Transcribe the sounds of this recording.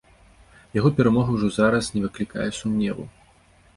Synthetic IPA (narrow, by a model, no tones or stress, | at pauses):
jaɣɔpʲɛɾamɔɣɐwʐɔzaɾɐsnʲɛvɨklʲika̰jɛsumnʲɛvṵ